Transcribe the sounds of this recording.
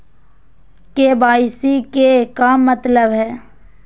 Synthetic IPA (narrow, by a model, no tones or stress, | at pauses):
kebaːɪsikekammːət̪ləbɦɛː